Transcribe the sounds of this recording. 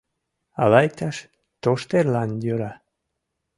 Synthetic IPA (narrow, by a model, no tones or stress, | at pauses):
ɑ̰lɑjk̚t̪ɑʃ | t̪oʃt̪erlɑnjøɾɑ